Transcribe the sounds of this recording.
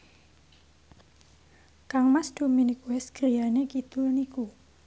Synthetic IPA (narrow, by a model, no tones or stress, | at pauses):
kaŋmasd̪̥o̤minikuɛsɡ̥ɾijanekid̪̥ʊlniku